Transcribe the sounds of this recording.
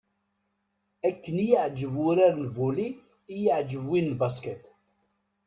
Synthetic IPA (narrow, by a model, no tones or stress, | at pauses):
ækːənijəʕd͡ʒəvwʊɾaɾnvuliː | jəʕd͡ʒəvwinlbaskət̪